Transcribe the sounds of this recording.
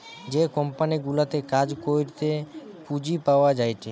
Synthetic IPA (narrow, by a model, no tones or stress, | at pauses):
d͡ʒekɔmpaniɡulat̪ekad͡ʒkojɾt̪epud͡ʑipaoad͡ʒajt͡ʃʰe